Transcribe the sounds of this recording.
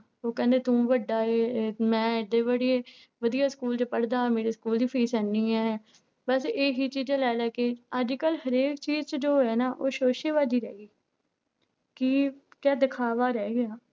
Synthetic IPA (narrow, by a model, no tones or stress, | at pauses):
oːkɛ̃ːnd̪eːt̪ũːʋəɖːaːeːmɛ̃ːɪd̪eːʋəɽieː | ʋəd̪ijaːskuːlt͡ʃəpəɽd̪aːmeːɾeːskuːlipʰiːsɛniːãːɦɛː | bəseːɦiːt͡ʃiːd͡ʒaːlɛːlɛːkeəd͡ʒkəlɦəɾeːkt͡ʃiːzt͡ʃəd͡ʒoːɦɛːnaːʔoːʃoːʃeːʋaːd̪iːɾɛ̰ːɡiː | kikɛːd̪ɪkʰaːʋaːɾɛːɡɪjaː